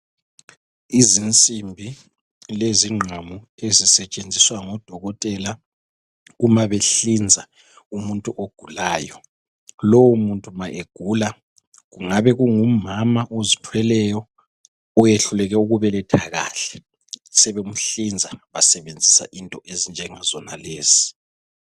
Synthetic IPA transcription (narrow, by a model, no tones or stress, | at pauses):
izint͡sʼimbʱi | leziŋ͡ǃʱamu | ezisɛt͡ʃʼend͡zʱiswaŋɔd̥ʱɔɣɔtʼɛla | umaβeɬind͡zʱa | umuntʼuʔoɡ̥ʱulaːjɔ | lowumuntʼumaʔeɡ̥ʱuːla | ɣuŋaβɛɣuŋumamaʔozitʰwɛlɛjɔ | ɔjeɬulɛɣɛuɣuβɛlɛtʰaɣa̰ːɬɛ̥ | sɛβem̩ɬind͡zʱaβasɛβend͡zʱisa̰ʔintʼɔʔezind͡ʒʱɛŋazɔnaleːz̥i̥